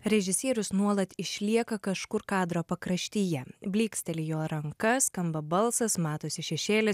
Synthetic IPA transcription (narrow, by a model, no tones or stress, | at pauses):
ɾʲɛʒʲɪsʲiːɾʲʊsnuɔlˠɐt̪ɪʃʲlʲiɛkɐkɐʃkʊɾkɑːd̪ɾoːpɐkɾɐʃʲt̪ʲiːjɛbʲlʲiːksʲt̪ʲɛlʲɪjoːɾɐŋkɐskɐmbɐbɐlˠsɐsmɑːt̪oːsʲɪʃʲɛʃʲeːlʲɪs